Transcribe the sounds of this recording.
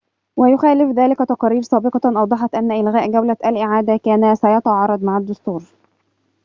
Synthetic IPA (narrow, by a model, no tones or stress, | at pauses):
wæjʊxæːlɪfðæːlɪkæt̪ɑqɑːɾiːɾsˤɑːbɪqɑʔɑwd̪ˤɑħɑt̪ʔænːæʔɪlɣæːʔɡæwlæʔælʔɪʕaːd̪ækæːnæsæjɑt̪ɑʕɑːɾˤɑd̪ˤmaʕad̪ːʊst̪uːɾ